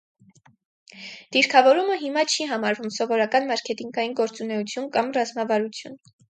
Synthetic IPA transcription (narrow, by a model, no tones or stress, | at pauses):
d̪̥iɾkʰɑvɔɾuməɦimɑt͡ʃʰiɦɑmɑɾvumsɔvɔɾɑkɑnmɑɾkʰɛt̪iŋɡɑjinɡɔɾt͡sunɛut͡sʰjunkɑmrɑzmɑvɑɾut͡sʰjun